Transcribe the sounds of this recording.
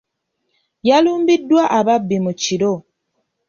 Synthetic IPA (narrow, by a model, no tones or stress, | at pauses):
jalumbidwaʔababimut͡ʃiɾɔ